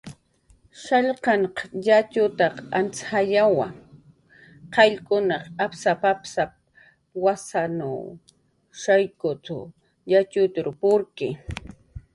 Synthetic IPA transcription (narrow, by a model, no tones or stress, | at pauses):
ʃaʎqɑɴqjat͡ʃʊt̪ɑqant͡sxajawa | qɑʎkʊnɑqapsapapsap̚ | wasana̰w | ʃajkʊt̪ʊ̰ | jat͡ʃʊt̪ʊɾʊpʊɾkɪ